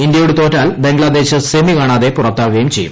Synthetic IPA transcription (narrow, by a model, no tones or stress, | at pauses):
ind̪jɐjuɽut̪oːtːaːlbe̞ŋɡɭɐd̪e̞ːɕɨsemikaːɳaːðepurɐt̪ːaːuɣɐjumt͡ɕe̞̰jːṵm